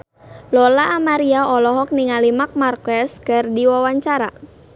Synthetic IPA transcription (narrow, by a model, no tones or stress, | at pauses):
lɔlaʔːmaɾiaɔlɔɦɔk̚niŋalimak̚markɛskardiwawaɲt͡ʃaɾa